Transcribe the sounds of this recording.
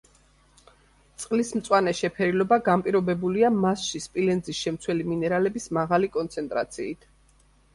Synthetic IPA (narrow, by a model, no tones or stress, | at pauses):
t̪sʼqʼlismt̪sʼwanɛʃɛpʰɛɾilɔbaɡampʼiɾɔbɛbuliamasʃispʼilɛnd̪zisʃɛmt̪sʰwɛliminɛɾalɛbismaʁalikʼɔnt̪sʰɛnt̪ʼɾa̰t̪sʰiːt̪ʰ